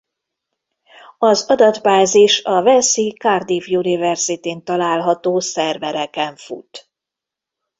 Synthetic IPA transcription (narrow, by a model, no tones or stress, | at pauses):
ɒzɒd̪ɒd̪baːziʃɒvɛsikard̪iːvjunivɛrzit̪eːnt̪ɒlaːlɦɒt̪oːsɛrvɛɾɛkɛɱfṵt̪